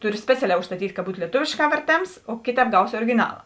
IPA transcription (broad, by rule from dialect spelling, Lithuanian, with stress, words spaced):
ˈtʊrʲɪ ˈsʲpʲæːt͡sʲɛˌlʲɛː ʊʃstɐˈtʲiːtʲ kɐ ˈbuːt lʲiɛˈtoːʋʲeːʃˌkɑː ʋʲɛrʲˈtʲeːms oː ˈkʲeːˌtʲɛːp ˈɡɐʊsʲɪ oːrʲɪɡʲɪˈnɑːlˠɐ